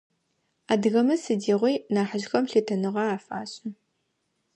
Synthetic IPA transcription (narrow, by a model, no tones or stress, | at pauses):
aːdɣɐmɨsɨdiːʁʷiːnaːħəʑxɐmɬeːtʰɐnɨʁɐaːfa̰ːɕʼɨ